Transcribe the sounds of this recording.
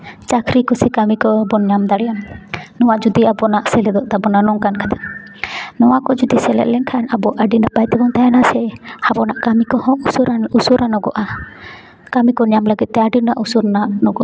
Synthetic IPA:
t͡ʃakʰɾikɔsɛkamikɔbɔnɲamd̪aɽɛjamnɔwad͡ʒud̪iabɔnaʔsɛlɛd̪ɔʔt̪abɔnanɔŋkankḁt̪ʰḁ | nɔwakɔd͡ʒud̪isɛlɛ̰ʔ̪lɛŋkʰanabɔʔaɖinapajt̪ibɔŋt̪ʰajanasɛhabɔnaʔkamikɔhɔ̃ŋusuɾausuɾanɔɡɔ̰ʔa | kamikɔɲamləɡit̪̚ˀt̪ɛaɖinaʔusuɾnaʔnɔɡɔʔ

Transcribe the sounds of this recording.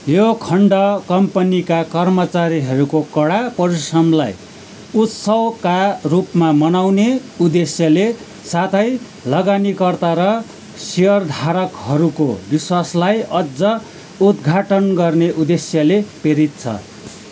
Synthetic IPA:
jokʰʌɳɖʌkʌmpʌnikakʌrmʌt͡saɾiɦʌɾukokʌɽapʌɾisrʌmla̰j | ut̪sʌwkarupmamʌnawneud̪esjʌle | sat̪ʰʌj | lʌɡanikʌrt̪aɾʌ | siʌrd̪ʱaɾʌkɦʌɾuko̰biswaslajʌd͡zʌ | ud̪ɡʱaʈʌnɡʌrneʔud̪esjʌlepeɾit̪̚t͡sʰʌ̰

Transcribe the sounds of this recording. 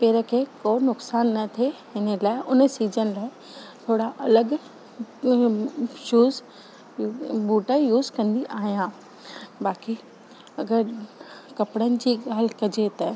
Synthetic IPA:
peːɾə̆kʰekonʊksaːnːɐt̪ʰe | ɪnə̆laːɪʔʊnə̆siːd͡ʑənɪ̆laːɪ | t̪ʰoːɽaʔɐləɡ | ʃuːz | buːʈəjuːzkɐ̃nd̪iʔaːɦijãː | baːki | ɐɡəɾkɐpɽənɪ̆d͡ʑiːɠaːlkɐd͡ʑet̪ɐ

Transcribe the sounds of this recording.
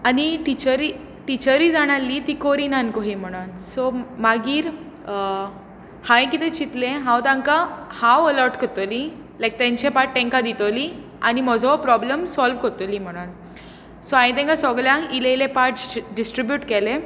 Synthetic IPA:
aniʈit͡ɕəɾi | ʈit͡ɕəɾiːd͡zaɽ̃alːit̪ikoɾinankoɦim̤əɽ̃ansɔmaɡiːɾ | hãj̃kit̪ɛ̃t͡ɕit̪lẽɦãwt̪ãŋkahãwəlɔɾʈkət̪əli | lajk̚t̪ɛ̃ɲt͡ɕepaʈ̚ːẽŋkad̪it̪əli | animɔd͡zʱɔpɾɔbləmsɔlʋkət̪əlim̤əɽ̃an | sɔãjĩt̪ɛ̃ŋkasɔɡljãŋilelepaʈɖisʈɾibjuːʈkɛlẽ

